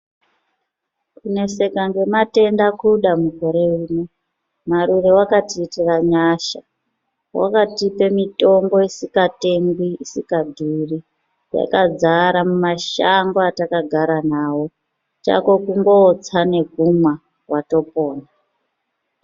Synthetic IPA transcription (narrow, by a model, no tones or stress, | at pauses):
kune̞se̞kaŋɡe̞mate̞ndakuɗamuko̞ɾe̞uːne | maɾurewakatiːtiraɲaʃa | wa̰katipe̞mito̞mbo̞isikate̞ŋɡwiisikadʱuri | ja̰kad͡zaɾamumaʃaŋɡoatakaɡʱaɾanawo̞ | t͡ʃa̰ko̞kuŋɡo̞t͡sane̞ɡʱuma | wato̞po̞ːna